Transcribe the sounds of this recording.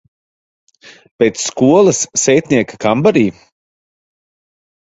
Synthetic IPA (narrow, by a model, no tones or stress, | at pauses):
pʲeːt̪sːkuɔlˠɐsːɛjt̪ʲnʲiɛkḁkambaɾiː